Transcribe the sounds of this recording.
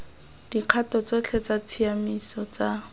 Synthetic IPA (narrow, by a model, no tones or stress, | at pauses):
d̥iq͡χʰatɔt͡sɔt͡ɬʰɛt͡sat͡sʰiamisɔt͡sa